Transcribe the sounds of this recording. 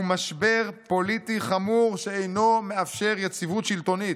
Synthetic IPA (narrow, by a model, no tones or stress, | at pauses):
umaʃbeʁpo̞lit̪iχamuʁʃeejno̞me̞afʃe̞ʁjet͡sivut̪ʃilt̪o̞nit̪